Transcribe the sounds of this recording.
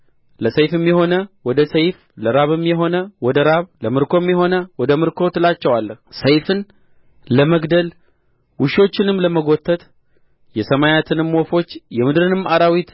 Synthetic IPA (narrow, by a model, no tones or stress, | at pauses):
ləsəjfɨmːjɛho̞nəwɔd̪əsəjf | ləɾaβɨmːjɛɦo̞nəwɔd̪əɾaβləmɨɾkʰo̞mjɛɦo̞nəwɔd̪əmɨɾkʰo̞t̪lat͡ʃːɛwalːəhsəjfɨn | ləməɡd̪əl | wʊʃo̞t͡ʃːɪnɨmːləməɡo̞t̪ʰːət̪ | jɛsəmajat̪ʰɨnɨmwofo̞t͡ʃːjɛmɨd̪ɨɾɨnɨmaɾawit̪